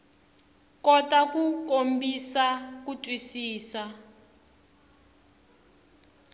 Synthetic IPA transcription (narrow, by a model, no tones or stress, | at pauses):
kɔtakukombisakutʼwisiːsa